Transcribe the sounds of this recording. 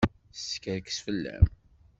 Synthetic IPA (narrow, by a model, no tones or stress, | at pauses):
sskəɾkə̥sfəlːæ̰m